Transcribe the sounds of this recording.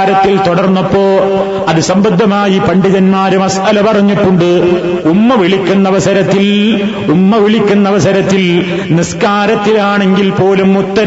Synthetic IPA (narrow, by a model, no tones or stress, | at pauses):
ɾɐt̪ːilt̪oɽɐrnːɐpːo̞ː | ɐðɨsɐmbɐd̪ʱːɐmaːjipɐɳɖiðɐnmaːɾumɐsʔɐlɐpɐrɐɲːiʈːuɳɖɨumːɐʋiɭikʲːunːɐʋɐsɐɾɐt̪ːil | umːɐʋiɭikʲːunːɐʋɐsɐɾɐt̪ːil | niskaːɾɐt̪ːilaːɳe̞ŋɡilpo̞ːlumut̪ːɐ